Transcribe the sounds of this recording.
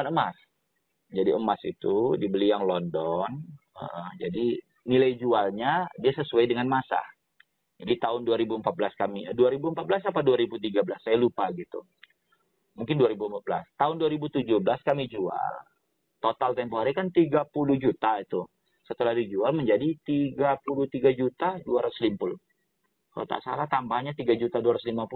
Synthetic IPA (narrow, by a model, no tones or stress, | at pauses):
anəmas | d͡ʒadiəmasḭt̪udibəlijaŋlɔndɔn | ə̰ʔəd͡ʒadi | nilajd͡ʒualɲadiasəsuajdəŋanmasa̰ | d͡ʒadit̪aʊnduaɾibuəmpat̪̚blaskamiduaɾibuəmpat̪̚blas̬apaduaɾibut̪iɡabəlasːajalupaɡit̪ṵ | muŋkɪnduaɾibuəmpat̪̚bəla̰st̪aʊnduaɾibut̪ud͡ʒuhbəlaskamid͡ʒua̰l | t̪ot̪alt̪ɛmpoaɾikant̪iɡapuluhd͡ʒut̪ait̪u | sət̪əladid͡ʒualməɲd͡ʒadit̪iɡapuluht̪iɡad͡ʒut̪aduaɾaʊ̥slimpʊl | kalo̰t̪a̰ʔsa̰laht̪ambahɲat̪iɡad͡ʒut̪aduaɾaʊslimapu